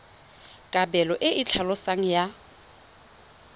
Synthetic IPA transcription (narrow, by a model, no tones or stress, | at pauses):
kʼabɛlɔʔɪʔɪt͡ɬʰalɔsaŋ̩ja